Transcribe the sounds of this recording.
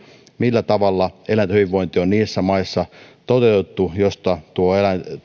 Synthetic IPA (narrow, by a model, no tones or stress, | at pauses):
milːæt̪ɑʋɑlːɑelænt̪hyʋiʋʋoint̪ionniːsːæmɑisːɑt̪ot̪et̪ːujost̪ɑt̪uoelæn